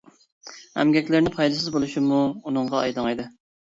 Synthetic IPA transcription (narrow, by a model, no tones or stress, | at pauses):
hæ̰mɡʲɛkʲlɪɾnɪpʰɑjd̪ɨsɪzbolˠuʃɪmuunɨɴʁɑɑ̰jd̪ɨŋɑjd̪ɨ